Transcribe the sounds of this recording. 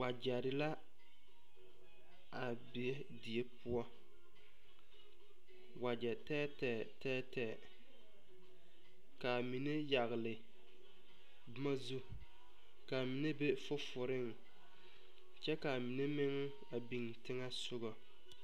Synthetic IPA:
wa˨d͡ʒɛ˨ɾɪ˨la˦ | a˨ | bi˨e˦ | di˨e˦pʊ˦ɔ˦ | wa˨d͡ʒɛ˨tɛː˦tɛ˨ | tɛː˦tɛ˨ | ka˨mi˨ne˦ja˨ɣɪ˨lɪ˨ | bʊ˦ma˦zu˦ | ka˨mi˨ne˦be˦fʊ˦fʊ˨ɾɪ˦ŋ | t͡ʃɛ˦ka˨mi˨ne˦mɪ˦ŋ˦ | a˨bi˨ŋtɪ˦ŋa˦sʊ˦ɣɔ˨

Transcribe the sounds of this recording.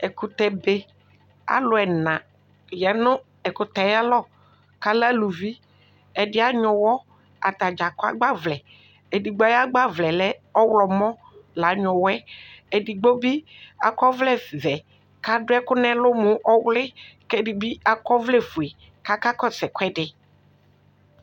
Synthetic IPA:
ɛ˨ku˨t̪ɛ˨be˦ | a̰˦lʊ˨ɛ˨nã˨ | jɛ˨nʊ˦ | ɛ˨kʊ˨t̪ɛ˨ja˦lɔ˦˨ | ka˦la˦lu˨vi˦ | ɛ˨dɪ˦a˦ɲɔ̃˨wɔ˦ | a̰˨t̪a˨d͡ʒa˨ka̰˦ɡ͡ba˦vlɛ˨ | e˨di˨ɡ͡ba˦a˦ɡ͡ba˦vlɛ˨lɛ˦ɔ˦wlɔ˨mɔ̃˦ | la˨˦ɲɔ̃˨wɛ˦ɛ˨di˨ɡ͡bo˦bi˦a˨kɔ˦vlɛ˨vɛ˨ | ka˦dʊ˦ɛ˦kʊ˦nɛ̃˦lʊ˦mʊ˦ʔɔ˦wlɪ˦kɛ˦dɪ˨bi˦a˨kɔ˦vlɛ˦˨fu˨ɛ˨ | ka˦ka˦kɔ˦sɛ˨kʷɛ˦dɪ˨

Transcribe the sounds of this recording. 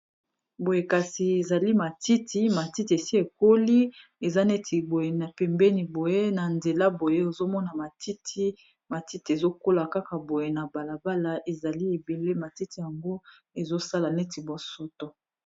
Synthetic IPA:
bo˨je˨ka˨si˨e˨za˨li˦ma˨ti˦ti˦ma˨ti˦ti˨e˨si˦e˨ko˦li˦ | e˨za˦ne˦tʰi˨bo˨je˨na˨pɛ˨mbɛ˦ni˨bo˨je˦na˨nde˨la˦bo˨je˦o˨zo˦mɔ˦na˨ma˨ti˦tʰi˦ | ma˨ti˦ti˨e˨zo˦ko˦la˨ka˦ka˨bo˨je˨na˨ba˨la˨ba˦la˦ʔe˨za˨li˦e˨be˨le˦ma˨ti˦ti˨ja˨ŋɡo˦ | e˨zo˦sa˦la˨ne˦ti˨bo˨so˦to˦

